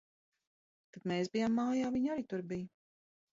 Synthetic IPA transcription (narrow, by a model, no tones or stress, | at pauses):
t̪ad̪mɛːsbijamːaːjaːviɲaɾit̪uɾbij